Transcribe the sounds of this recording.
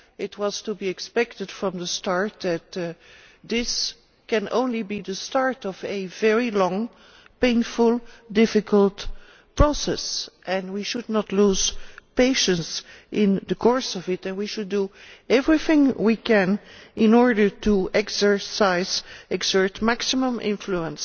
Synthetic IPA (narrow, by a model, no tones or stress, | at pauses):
ɪt̚wʌz̥tubiɨkspɛk̚tɨd̥fɹʌ̃mðəstɑɹt̚ðɨt̚ | ðɪs | kɨ̃nʔõ̰ʊ̃nlibiðəstɑɹtʌvɨvɛɹilɔ̃ŋ | pẽɪ̃nfʊlˠdɪfɨkʰəlˠt | pɹ̥osɛsʔɛ̃nwiʃʊdⁿnətˡluz̥peɪʃə̃nsʔɪ̃nðəkʰɔɹsʌvɪtɨ̃nwiʃʊduɛvɹiθɪ̃ŋwikʰɨ̃nʔɪ̃nɔɹdə˞tʰuʔɛksə˞saɪzɛɡsə˞tmæksɪmə̃mʔɪ̰̃ɱfluə̃ns